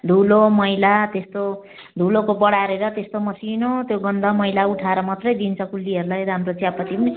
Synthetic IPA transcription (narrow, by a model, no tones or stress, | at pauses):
d̪ʱulomʌjlat̪est̪o | d̪ʱulokobʌɽaɾeɾʌt̪est̪omʌsinot̪joɡʌnd̪ʱʌmʌjlauʈʰaɾʌmʌt̪rʌjd̪int͡sʰʌkulːiɦʌɾulajed̪ʌɦamrot͡siapʌt̪ibʌni